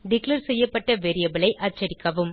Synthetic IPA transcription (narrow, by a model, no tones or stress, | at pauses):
ɖɪklɐɾsɛjːɐpːɐʈːɐʋeːɾɪjɐbɪɭɐɪʔɐɾt͡ʃːɐɾɪkːɐʋɯm